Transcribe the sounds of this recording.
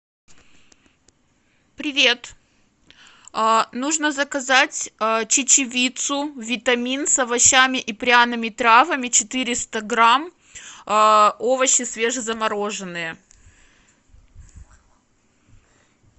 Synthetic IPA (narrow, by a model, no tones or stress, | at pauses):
pɾʲɪvʲe̞t̪ | nuʐnəzəkɐzatʲt͡ɕɪt͡ɕɪvʲit̪sʊvʲɪt̪ɐmʲinsɐvɐɕːamʲɪʔipɾʲanɨmʲɪt̪ɾavəmʲɪt͡ɕɪt̪ɨɾʲɪst̪əɡɾam | o̞vəɕɪsvʲe̞ʐɨzəmɐɾoʐɨnːɨjə